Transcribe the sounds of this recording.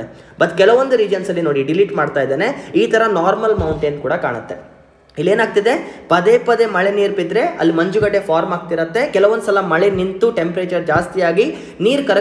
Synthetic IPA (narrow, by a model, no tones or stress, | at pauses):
ebɐt̪ːkɛlɐʋond̪uɾiːd͡ʒɐnsɐlːinoːɽiɖiliʈmaːɖt̪aːjd̪eːne̞iːt̪ʰɐɾɐnaːɾmɐlmɐwɳʈeːnkuːɽɐkaːɳɐt̪ːe̞̰ | ilːeːnaːɡ̚t̪id̪e̞pɐd̪eːpɐd̪e̞mɐɭe̞niːɾpid̪ɾe̞ɐ̰lːimɐɲd͡ʒuɡɐʈːe̞pʰaːɾmaːɡ̚t̪iɾɐt̪ːe̞kɛlɐʋond̪sɐlɐmɐɭenint̪uʈe̞mpɾeːt͡ʃɐɾd͡ʒaːst̪ijaːɡi | niːɾkɐɾɐ